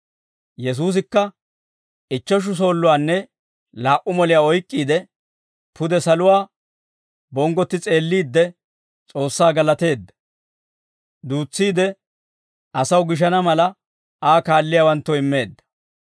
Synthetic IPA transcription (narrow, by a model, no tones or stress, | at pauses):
jɛs̬uːs̬ɪkːɐ | ɪt͡ʃːɔʃ̬ʊs̬o̞ːlːʊwaːnːɛ | laːʔʊmɔlɪjaːɔjkʼːiːd̪ɛ | pʊd̪ɛsɐlʊwaː | bɔŋɡɔt̪ːɪt͡sʼe̞ːlːiːd̪ːɛ | t͡sʼo̞ːsːaːɡɐlɐt̪e̞ːd̪ːɐ̥ | d̪uːt͡sːiːd̪ɛ | ʔɐsɐwɡɪʃ̬ɐnɐmɐlɐ | ʔaːkaːlːɪjaːwɐnt̪ːɔɪmːe̞ːd̪ːɐ̥